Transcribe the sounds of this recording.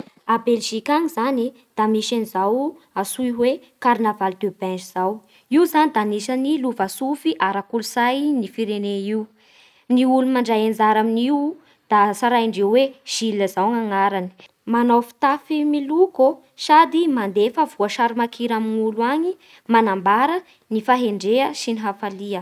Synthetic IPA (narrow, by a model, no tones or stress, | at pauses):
abelʒikaŋizani | d̪̥amiʃanizaw | asuiwe | kaɾinavald̪ebɛnd͡ʒiz̥aw | iwzanid̪anisaniluvasufiʔaɾakuluz̥ajnifiɾeneiw | niulumaɳɖ͡ʐajend͡zaɾaminiw | d̪̥asaɾaiɳɖ͡ʐewweʒ̥ilːəzawŋaŋaɾani̥ | manawfi̥t̪afimiluko | ʃad̪imand̪efəvuəʃaɾimakʰiɾaminuluaɲi | manambaɾə | nifaɦeɳɖ͡ʐeəsiniɦafaliə